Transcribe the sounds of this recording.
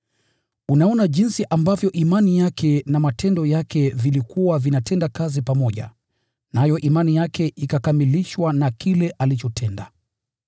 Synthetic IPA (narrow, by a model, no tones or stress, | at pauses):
unaɔnaʄinsiʔambavjɔʔimanijakʰɛnamatʰɛndɔjakɛvilikuwavinatɛndakazipamɔʄa̰ | najɔʔimanijakʰɛʔikakamiliʃwanakilɛʔalit͡ʃɔtʰɛnda